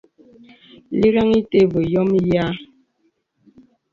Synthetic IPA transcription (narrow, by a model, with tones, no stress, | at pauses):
li˦ɾa˦ŋi˦te˦bo˨jɔ˦mja˦